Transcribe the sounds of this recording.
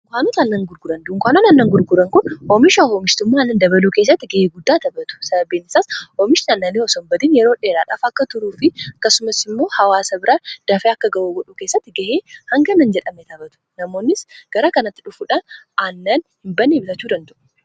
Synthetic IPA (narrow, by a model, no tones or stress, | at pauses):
kʷaːnɔt̪ɐnːɐŋɡʊɾɡʊɾɐnd̪ʊŋkʷaːnɔnɐnːɐŋɡʊɾɡʊɾɐŋkʊnɔːmɪʃahoːmɪʃt̪ʊmːaːɐnːɐnd̪ɐbɐluːkeːs̬ːɐt̪ːɪɡɐheːɡʊd̪ːaːt̪ɐbɐt̪ʊ̥sɐbɐbeːnɪsaːsɔːmɪʃnɐnːɐniɔsɔmbɐd̪iːnjɛɾoːᶑeːɾaːᶑa̰ːfɐkːɐt̪ʊɾuːfɪɐkːɐsʊmɐsɪmːo̞ːhɐwaːsɐbɪɾaːd̪̥ɐfeːɐkːɐɡɐʔuːɡɔᶑuːkeːsːɐt̪ːɪɡɐheːhɐŋɡɐnɐnd͡ʒɛᶑɐmɛt̪ɐbɐt̪ʊ̥nɐmo̞ːnːɪsɡ̥ɐɾɐkɐnɐt̪ːɪᶑʊfuːᶑaːn | ɐnːɐnhɪmbɐnːebɪt̪ɐt͡ʃːuːd̪ɐnd̪ɐʔʊ̥